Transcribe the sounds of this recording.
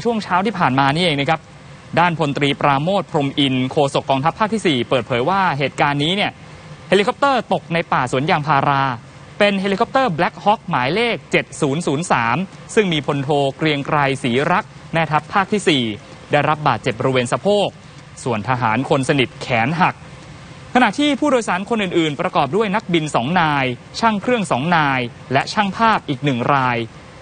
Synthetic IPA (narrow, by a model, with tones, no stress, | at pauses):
t͡ɕʰu˥˩əŋt͡ɕʰaː˦˥wt̪ʰiː˥˩pʰaː˨˩nmaː˧niː˥˩˨ʔeː˧ŋna˦˥kʰa˦˥p̚ | daː˥˩npʰo˧nt̪ɾiː˧pɾaː˧moː˥˩t̪̚pʰɾo˧mʔi˧nkʰoː˧so˨˩kːɔː˧ŋt̪ʰa˦˥pʰːaː˥˩kt̪ʰiː˥˩siː˨˩pɤː˨˩t̪̚pʰɤː˩˦jwaː˥˩ɦeː˨˩t̪̚kaː˧nːiː˦˥ni˥˩ɐ | heː˧li˧kʰɔ˦˥p̚t̪ɤː˥˩t̪o˨˩k̚na˧jpaː˨˩su˩˦ənjaː˧ŋpʰaː˧ɾaː˧ | pe˧nheː˧li˧kʰɔ˦˥p̚t̪ɤː˥˩blɛ˦˥k̚hɔ˦˥k̚maː˩˦jleː˥˩k̚t͡ɕe˨˩t̪̚suː˩˦nsuː˩˦nsaː˩˦msɯ˥˩ŋmiː˧pʰo˧nt̪ʰoː˧kɾi˧əŋkɾa˧jsiː˩˦ɾa˦˥k̚ | mɛː˥˩t̪ʰa˦˥pʰːaː˥˩k̚t̪ʰiː˥˩siː˨˩ | daː˥˩jɾa˦˥p̚baː˨˩t̪̚t͡ɕe˨˩p̚bo˧ɾweː˧nsa˧pʰoː˥˩k̚ | su˨˩ənt̪ʰa˧ɦaː˩˦nkʰo˧nsa˧ni˨˩t̪̚kʰɛː˩˦nɦa˨˩k̚ʰː | a˧na˨˩ʔt̪ʰiː˥˩pʰuː˥˩doː˧jsaː˩˦nkʰo˧nʔɯː˨˩nʔɯː˨˩npɾa˧kɔː˨˩p̬̚du˥˩əjna˦˥k̚bi˧nsɔː˩˦ŋnaː˧jt͡ɕʰa˥˩ŋkʰɾɯ˥˩əŋsɔː˩˦ŋnaː˧j | lɛ˦˥ʔt͡ɕʰa˥˩ŋpʰaː˥˩p̚ʔiː˨˩k̚nɯ˨˩ŋɾaː˧j